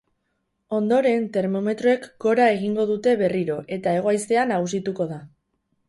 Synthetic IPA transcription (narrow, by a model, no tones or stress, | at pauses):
o̞nd̪o̞ɾe̞nt̪e̞ɾmo̞me̞t̪ɾo̞e̞kɡ̥o̞ɾae̞ɣ̞iŋɡo̞ðut̪e̞βe̞riɾo̞ʔe̞t̪ae̞ɣ̞o̞ajst̪e̞anaɣus̬it̪uko̞ða